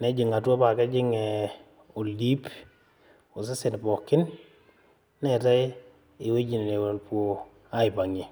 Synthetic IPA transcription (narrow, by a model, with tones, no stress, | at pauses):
nɛ˨˦d͡ʒɪ˨ŋa˨tɔ˦pa˨kɛ˦d͡ʒɪ˦ŋɛ˨ | o˨li˦p | o˨s̬ɪ˦sɪ˨npɔ˨kɪ˦n | ɛ˦ta˦ɪ˦ | ɪ˨we˦d͡ʒi˨ne˨ne˨wo˨lpwo˦ | a˦ɪ˨pa˨ŋɪ˨